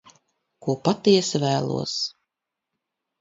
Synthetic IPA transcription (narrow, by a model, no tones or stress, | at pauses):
kuɔpat̪iɛsvæːlˠṵɔs